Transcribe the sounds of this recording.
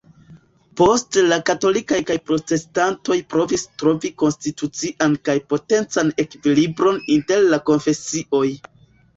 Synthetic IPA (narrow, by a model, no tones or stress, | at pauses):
po̞stlakato̞likajkajpɾo̞te̞stanto̞jpɾo̞vistɾo̞viko̞nstitut͡siʔankajpo̞te̞nt͡sane̞kvilibɾo̞ninte̞ɾlako̞nfe̞siʔo̞j